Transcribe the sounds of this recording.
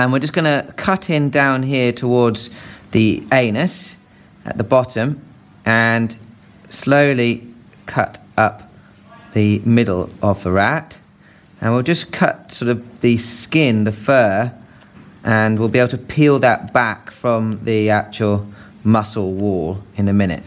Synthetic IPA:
ə̃nwɪəd͡ʒʌsɡ̥ʌnəkʰʌtʰɪ̃ndãʊ̃nɦɪətʰəwɔɹdz̥ðieɪnɨs | ʔə̰ʔ̪̚ðəbɑtə̃m | ʔə̃n | sləʊli | kʰʌ̰tʔʌp̚ | ðɨmɪdˡl̩ˠʔəvðəɹæt | ə̃nwilˠd͡ʒʌskʰʌ̰t̚sɔɾʌvðɨskɪ̃nðəfɜ | ʔə̃nwɪlˠbieɪbl̩ˠtʰəpʰilˠðət̚b̥ækfɹə̃mðiæk̚t͡ʃəəl̩ˠ | mʌsl̩ˠwɔːlˠɨ̃nɨmɪ̃nɪ̰t̚

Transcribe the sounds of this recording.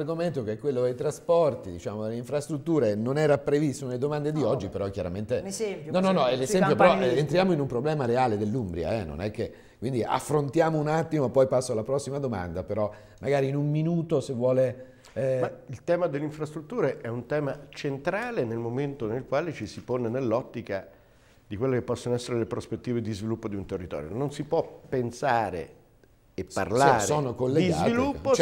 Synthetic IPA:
rɡoment̪okeɛkwelːod̪ejt̪ɾaspɔrt̪id̪it͡ʃaːmod̪elːeiɱfɾast̪ɾut̪ːuːɾenonɛːɾapɾevist̪onelːed̪omand̪ed̪iɔd͡ʒːipeɾɔk̟jaɾament̪ejnɔnɔnːɔɛlːezɛmpjopeɾɔɛent̪ɾjaːmoinumpɾoblɛːmaɾeaːled̪elːumbɾja̰ɛ̰nːo̰nɛkːe | kwind̪iʔa̰fːɾont̪jaːmounat̪ːimopɔjpasːoalapɾɔsːimad̪oma̰nd̪apeɾɔ | maɡaːɾiːnumminuːt̪osevːwɔːle | mailt̪ɛːmad̪elːeiɱfɾast̪ɾut̪ːuːɾeʔɛunt̪ɛːmat͡ʃent̪ɾaːlenelmoment̪onelkwaːlet͡ʃisiponenelːɔt̪ːika | d̪ikwelːekepːɔsːonoɛsːeɾelepɾospet̪ːiːved̪izvilupːod̪iunt̪erːit̪ɔ̰ːɾjo̰nonsipwɔpːensaːɾḛ | epːa̰rlaːɾseoːnokolːeɡizavilupːot͡ʃ

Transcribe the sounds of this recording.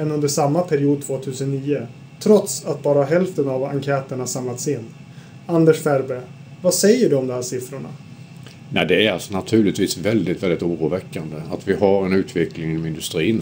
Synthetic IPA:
ɛnɵnd̪əʂamːapʰæɾɪuːd̪̚t̪ʰv̥oːt̪ʰʉ̟ːsənːiːə | t̪ʰɾɔt̪sat̪̚bɑːɾaɦɛlft̪ənava̰ŋkʰɛːt̪əɳasamlat̪sɪnː | and̪ɛʂfæɾbeː | vasɛjːəɖɵɔmd̪ɔmɦæːʂɪfɾʊɳa̰ | næɪd̪ɛæɾalsɔnat̪ʰʉ̟ːɭɪt̪viːsvɛld̪ɪt̪vɛld̪ɪt̪uːɾuːvɛkːand̪əat̪vɪɦaɾɛnʉ̟ːt̪ʰvɛklɪŋɪnɔmɪnd̪ɵst̪ɾiːn

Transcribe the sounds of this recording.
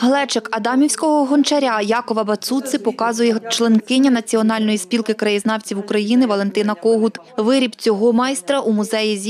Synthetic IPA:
ɦlˠɛt͡ʃekɐd̪ɑmʲiwsʲkɔɦɔɦɔnt͡ʃɐɾʲajɑkɔʋɐbɐt̪sut̪sɪpɔkɑzʊjɛt͡ʃlˠenkɪnʲːɐnɐt͡sʲiɔn̪ɑlʲnɔjispʲilkɪkɾɐjiznɑwt͡sʲiwukɾɐjinɪʋɐlˠe̞nt̪ɪnɐkɔɦʊt̪ | ʋɪɾʲibt͡sʲɔɦɔmɑjst̪ɾɐʔumʊzɛjizʲ

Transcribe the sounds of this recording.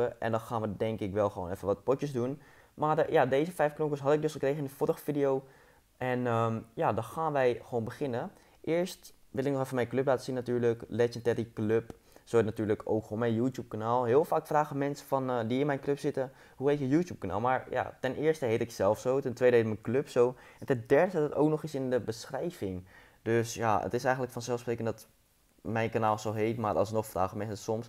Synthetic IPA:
əʔɛ̰ndɔnxaːnʋədɛŋkɪkʋɛlˠxəʋo̰ːnɛfəʋɑt̚pɔtjəsdun | marjadejzəfɛjfknokəsɦɑtəɪk̚dɵsχəkreχəɪndəfoɾəχəfidijow | ʔɛnəmjadɔnxaːnʋɛjχəʋownbəχɪnə | ʔɪəɹstʋɪləɪknɔχɛfənmɛjnkløplaːtəsinːatyːɹləklɛd͡ʒəntɛɾikløp | soɛtnatyːɹləkʰo̰wkomɛjnjuːtjup̚kanaːlˠɦɪːlˠfaːkfraːχəmɛnsəfɑndiɪnmɛjnkløpsɪtə | ɦuɦetəjuːtjuːp̚kana̰ːlˠmaːɹja̰tɛnʔɪːɹstəɦejtɪksɛlˠfsowtɛntʋejdəɦetmənkløpsowɛntɛndɛɹdədtəto̰ːknɔχɪsɪndəbəsχrɛjvɪŋ | døsjaə̰tɪsɛjxəntləkfɑnsɛlˠfsprejkəndɑt | mɛjnkanaːlˠsɔlˠɦejtmaːrʔɑ̰snɔχfra̰ːχəmɛnsəəsɔms

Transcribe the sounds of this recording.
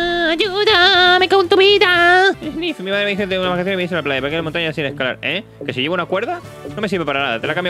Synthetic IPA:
aʝuðamekant̪uβiðaenifmimaðɾeeixot̪eunaβaɾkaθjoimis̬elaplajapakelamõt̪aɲasinehkala̰ɾe | kesiʝeβunakwe̞ɾða | no̞mesiɾβepaɾanaða̰t̪e̞lakambja

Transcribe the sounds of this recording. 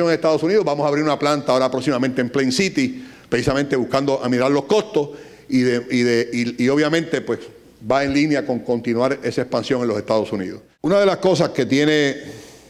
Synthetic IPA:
joŋeŋest̪aðo̞suniðoɦbamosaβɾiɾunaplant̪aoɾapɾo̞ksimamẽnt̪emplejnsit̪ipɾesisamẽnt̪e̞βuhkand̪oʔamiaɾlo̞sko̞st̪os | iðeiðeiio̞βjamẽnt̪e̞pwe̞s | baeŋlinjako̞ŋkont̪inwaɾe̞saespansjo̞ŋe̞nlosest̪aðo̞sunḭðos | unaðe̞lasko̞s̬aske̞t̪je̞ne

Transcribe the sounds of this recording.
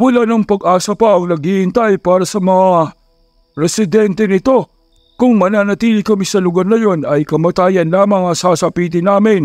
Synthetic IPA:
mʊlanɐŋpɐɡʔaːsɐpɐʔɐŋnɐɡihɪnt̪ajpaːɾɐsɐmɐŋa | ɾɛsɪd̪ɛnt̪ɛnɪt̪o̞ | kʊŋmɐnaːnɐt̪iːlɪkɐmisɐlʊɡaɾnɐjo̞nɐjkɐmɐt̪aːjɐnlaːmɐŋɐsaːsɐpiːt̪̬ɪnaːmɪn

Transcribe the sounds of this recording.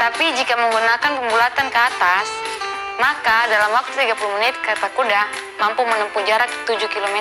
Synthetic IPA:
t̪apid͡ʒikaməŋɡunakanpəmbulat̪ankəat̪as | makadalamwak̚t̪ut̪iɡapulumənɪt̪̚kt̪akuda | mampumənəmpud͡ʒaɾak̚t̪ud͡ʒukilomɛ

